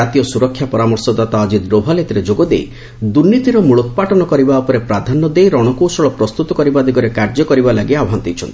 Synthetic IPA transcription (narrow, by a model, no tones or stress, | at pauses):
at̪ijɔsuɾɔkʰːjapɔɾamɔɾsɔd̪at̪ad͡ʒid̪ɾobʱalet̪ɾed͡ʒoɡɔd̪ḛj | d̪uɾnit̪iɾɔmuɭɔt̪paʈɔnɔkɔɾibaupɔɾepɾad̪ʱanːɔd̪ejɾɔɽ̃ɔkowsɔɭɔpɾɔst̪ut̪ɔkɔɾibad̪iɡɔɾekaɾd͡ʒɔkɔɾibalaɡiaɦant̪it͡ʃʰɔ̰nt̪i